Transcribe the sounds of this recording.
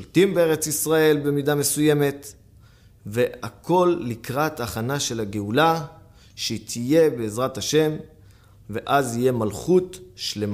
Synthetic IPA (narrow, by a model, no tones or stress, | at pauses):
olt̪imbe̞e̞ʁe̞t͡sisʁae̞lbe̞midame̞suje̞me̞t | ve̞akʰo̞lːikʁat̪aχanaʃe̞laɡeula | ʃeitʰije̞be̞ːzʁathaʃe̞m | ve̞ʔazhije̞malχutʃle̞ma